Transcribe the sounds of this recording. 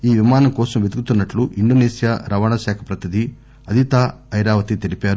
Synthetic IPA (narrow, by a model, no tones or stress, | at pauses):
iːʋimaːnɐmkɔːsɐmʋed̪ukut̪unːɐʈluʔiɳɖoːneːsijaɾʔɐʋaːɳɐʃaːkʰɐpɾɐt̪ʰid̪i | ɐd̪ʱit̪aːɐjɾaːʋɐt̪it̪e̞lipaːɾu